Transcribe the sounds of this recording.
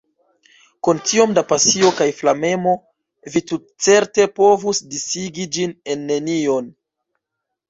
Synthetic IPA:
kuntio̞mdapasio̞kajflame̞mo̞ | vitut̚t͡se̞ɾte̞po̞vusdisiɡid͡ʒine̞nːe̞nio̞n

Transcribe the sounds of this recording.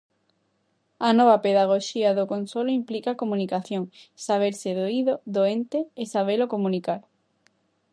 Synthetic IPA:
anɔβapeðaɣ̞oʃiaðokonsoloimplikakomũnikaθjoŋsaβ̞eɾseðoiðoðoent̪eːsaβ̞elokomũnikaɾ

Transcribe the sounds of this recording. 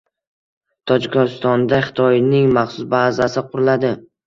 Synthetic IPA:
t̪ʰɒd͡ʒɪkʲst̪ɒnd̪aχɪ̥t̪ʰɒjnɪŋmaχsʊsbazasɪqʰʊɾlad̪ɪ

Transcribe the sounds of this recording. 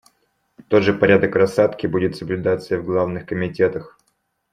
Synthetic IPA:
t̪o̞t̪ʐɨpɐɾʲad̪əkɾɐsat̪kʲɪbudʲɪt̪səblʲʉd̪at̪sɨjəvɡlˠavnɨxkəmʲɪtʲe̞t̪əx

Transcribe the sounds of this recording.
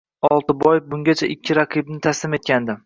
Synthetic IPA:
ɒlˠt̪ɪbɒjɪbʊŋɡʲat͡ʃʰaʔɪkʲʰːɪɾaqʰɨbnɪt̪ʰaslɪme̞t̪̚kʲand̪ɪ

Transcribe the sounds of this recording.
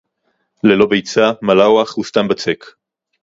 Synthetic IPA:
lelo̞bejt͡samalawaχust̪ambat͡sek

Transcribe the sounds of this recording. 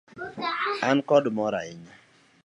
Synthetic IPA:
ankɔdmɔɾa̰ɪɲa

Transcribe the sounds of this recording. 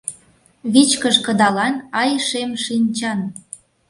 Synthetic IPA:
βit͡ɕkəʃkə̆d̪ɑlɑnɑjʃemʃinʲt͡ɕɑn

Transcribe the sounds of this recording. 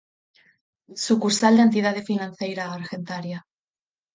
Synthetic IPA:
sukuɾsald̪eent̪̬iðað̞efinãn̟θejɾaːɾxent̪aɾja

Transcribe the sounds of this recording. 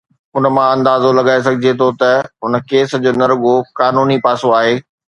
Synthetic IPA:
ʊnəmãɐ̃nd̪aːzolɐɠaːes̬ɐɡʱɪd͡ʑet̪ʰot̪ɐɦʊnə̆keːsd͡ʑoːnɐɾɡokaːnuːnipaːsoaːɦeː

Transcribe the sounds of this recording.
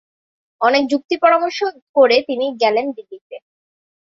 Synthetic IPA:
ɔnek̚d͡ʑuk̚t̪ipɔɾamoɾʃokoɾet̪iniɡɛlend̪ilːit̪e

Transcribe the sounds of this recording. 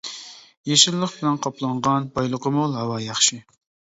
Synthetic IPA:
jeʃɪlːˠəqbɪlɛnqʰɑplˠɑɴʁɑnbɑjlˠʊqəmʊlˠhɑwɑjɑχʃɪ

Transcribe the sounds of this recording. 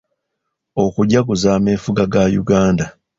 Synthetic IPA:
okuɟakuzaːme̞ːfuɡaɡajuɡaːnda

